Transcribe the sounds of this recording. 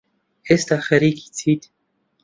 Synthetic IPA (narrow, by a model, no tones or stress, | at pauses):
est̪axeɾiki̥t͡sʰit̪